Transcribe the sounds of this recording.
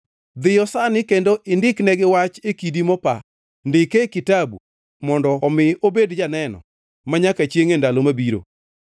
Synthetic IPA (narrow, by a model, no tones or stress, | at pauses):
d̪ɪjɔsanɪkendoʔɪndɪknɛɡɪwat͡ʃekidimɔpa | ndɪkekɪtabṵ | mɔndɔːmɪobedd͡ʒanɛnɔ̰ | maɲakat͡ʃjeŋendalomabiɾo̰